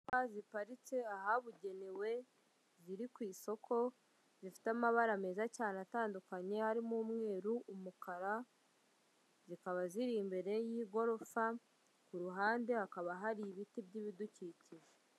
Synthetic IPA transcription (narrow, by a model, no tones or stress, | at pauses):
azipaɾit͡se̞aɦaβuɟe̞newe̞ | ziɾikwiːso̞kʰo̞ | zifi̥tamaβaɾame̞ːzacaːnataːndukaɲe̞haɾimuːmŋe̞ːɾuʔumukaɾa | zikaβaziɾimbe̞ɾe̞jiːɡo̞ɾo̞fa | kuɾuɦaːnde̞hakaβaɦaɾiβitibɟiβiduciciʒe